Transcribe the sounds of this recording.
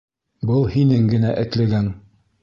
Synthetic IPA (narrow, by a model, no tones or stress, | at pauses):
bɤlˠhinɘŋɡɘ̆næʔɘ̆k̪læ̆ɡæŋ